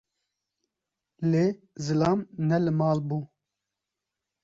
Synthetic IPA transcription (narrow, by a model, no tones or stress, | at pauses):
leː | zɨlɑːmnɛlɨmɑːlbuː